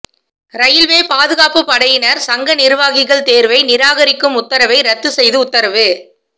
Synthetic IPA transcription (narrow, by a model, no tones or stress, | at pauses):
ɾɐjɪlʋeːpaːðɯɣaːpɯpɐɽɐjɪnɐɾsɐŋɡɐnɪɾɯʋaːɣɪɣɐɭt̪eːɾʋɐɪnɪɾaːɣɐɾɪkːɯmʊt̪ːɐɾɐʋɐɪɾɐt̪ːɯsɛjðɯʊt̪ːɐɾɐʋɯ